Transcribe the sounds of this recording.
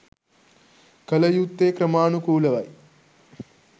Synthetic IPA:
kɐlɐjut̪ːeːkɾɐmaːnukuːlɐʋɐ̰j

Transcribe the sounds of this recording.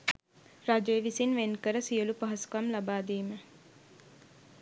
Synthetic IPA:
rad͡ʒojəʋisinʋenkəɾəsijəlupaɦɐskamlabaːd̪iːmə

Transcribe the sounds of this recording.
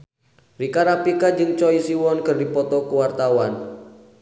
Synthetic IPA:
rikaɾapikad͡ʒɨŋt͡ʃɔisiwɔnkərdipɔt̪ɔkuwart̪awan

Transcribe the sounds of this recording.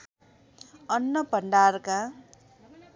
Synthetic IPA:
ʌnːʌpʌɳɖarka

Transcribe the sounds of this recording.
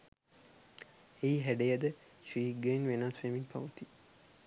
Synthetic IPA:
eiɦæɖejəd̪ə | ʃriːɡejnʋenaːsfeminpʰaʋət̪i

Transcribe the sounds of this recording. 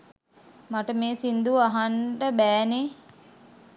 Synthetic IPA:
maʈəmeːsind̪uaɦaɳɖəbæːne

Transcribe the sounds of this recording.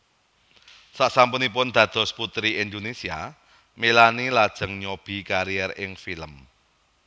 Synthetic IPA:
saʔsampunipʊnd̪̥ä̤d̪̥ɔ̤sput̪ɾiind̪onesia | melanilad̥ʒ̥ə̤ŋɲob̥i̤kaɾiɛrɪŋfiləm

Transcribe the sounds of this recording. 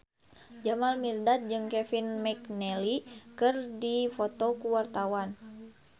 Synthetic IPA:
d͡ʒamalmirdat̪̚d͡ʒɨŋkɛfinmɛknɛlikɨrdifot̪ɔkuwart̪awan

